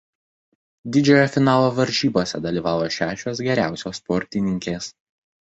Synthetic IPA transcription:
d̪ʲɪd͡ʒʲoːjɛfʲɪnɑːlˠoːʋɐɾʲʒʲiːboːsʲɛd̪ɐlʲiːʋɑːʋoːʃʲæːʃʲoːs̬ɡʲɛɾʲæˑʊsʲoːspɔɾʲt̪ʲɪnʲɪŋʲkʲeːs

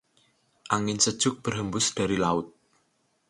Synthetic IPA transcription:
ʔaŋɪnsəd̥ʒ̥ʊk̚b̥ərɦəmbʊsd̥a̤ɾilaʊt̪̚

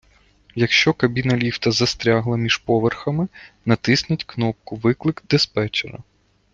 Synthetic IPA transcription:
jɐkʃt͡ʃɔkɐbʲinɐlʲiwt̪ɐzɐst̪ɾʲaɦlˠɐmʲiʒ̥pɔʋerxɐmɪnɐt̪ɪsnʲɐtʲknɔp̚kʊʋɪklˠɪkd̪espɛt͡ʃeɾɐ̰

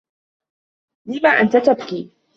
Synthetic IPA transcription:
lɪmaːʔant̪at̪abkiː

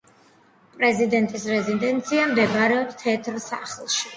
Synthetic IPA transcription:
pʼɾɛzid̪ɛnt̪ʼisɾɛzid̪ɛnt̪sʰiamd̪ɛbaɾɛɔdt̪ʰɛt̪ʰɾsa̰χlˠʃi̥

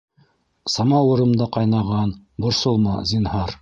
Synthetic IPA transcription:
sɑmɑwɤ̆ɾɤ̆md̪ɑqɑjnɑʁɑn | bŏɾsɤlˠmɑ̰zinhɑɾ

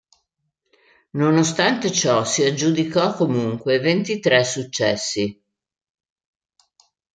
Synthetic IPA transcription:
nonost̪ant̪et͡ʃɔsiad͡ʒːud̪ikɔkːomuŋkwevent̪it̪ɾɛsːut͡ʃːɛsːi

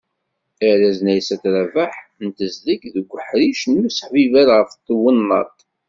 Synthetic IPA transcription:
əɾæznæjsæθɾævaħnt̪əzlikðəɡʷːəħɾiʃnusə̥ħvivæɾʁəft̪ːəwənːɑ̰t̪ˤ

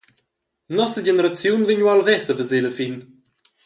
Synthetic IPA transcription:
nɔsəɟenəɾat͡sjunviɲwalvɛsəvəzeləfin

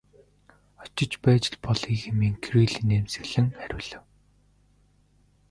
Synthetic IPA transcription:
ɔ̥t͡ɕɪ̆t͡ɕpæːt͡ɕɪ̆ɮpɔɮiːxemiːŋkʰriːɮiːneːmsɘ̆ɣɮɘ̆ŋæɾʲʊ̆ːɮɘ̆w

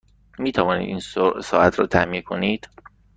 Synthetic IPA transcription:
miːt̪ʰævɒːnḭːd̪ḭːnssɒːʔæt̪ʰɾɒ̰ːt̪ʰæmiːkʰoniːd̪̥

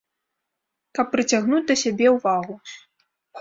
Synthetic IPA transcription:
kɐpːɾɨt͡sʲaɣnut͡sʲd̪ɐsʲabʲɛwvaɣu

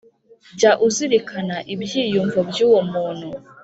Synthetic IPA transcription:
ɟaʔuziɾikʰanaʔibjiːjuɱvobjuːwomuːn̥hu

